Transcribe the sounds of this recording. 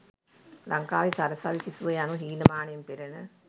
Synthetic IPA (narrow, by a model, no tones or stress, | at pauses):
lɐŋkaːʋisɐɾɐsaʋisisuɐjanuɦiːnɐmaːɳɐjumpiɾɐnɨ